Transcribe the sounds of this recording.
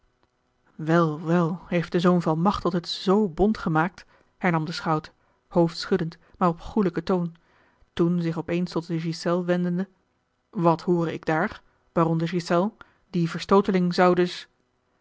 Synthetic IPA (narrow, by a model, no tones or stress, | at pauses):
ʋɛlˠʋɛlˠɦejft̚d̥əzownvɑlˠmɑχtɔtətz̥owbɔntχəmaːk̚t | hɛɹnɑmdəsχɑwt | howftsχɵdənt | maːɹɔpχuləkətown | tunzɪχɔpejnstɔt̚dəʒisɛlˠʋɛndəndə | ʋɑtɦoːrəɪ̰ɡdaːɹ | ʋaːrɔmdəʒisɛlˠ | divəɹstowtəlɪŋzɑwdɵs